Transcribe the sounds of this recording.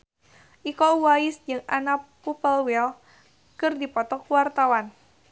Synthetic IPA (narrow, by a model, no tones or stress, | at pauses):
ʔikɔwaɪsd͡ʒɨŋana | upəlwɛl | kɨrdipɔt̪ɔkuwart̪awan